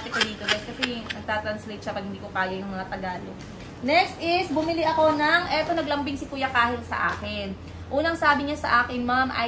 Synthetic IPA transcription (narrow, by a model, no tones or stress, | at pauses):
t̪ɛkod̪iːt̪oɡɛskɐsɛnɐɡ̚t̪aːt̪ɾɐnslejt̪ʃɐpɐɡ̚hɪnd̪iːkokaːjɐjɐŋmɐŋat̪ɐɡaːlo | nɛkst̪ʔɪsbʊmɪlɪʔɐko̞nɐŋʔɛt̪o̞nɐɡlɐmbɪŋsɪkujɐkaːhɪt̪̚sɐ̰ʔa̰ːkɪn | ʔuːnɐŋsaːbɪɲasɐ̰ʔaːkɪnmamʔɐ̰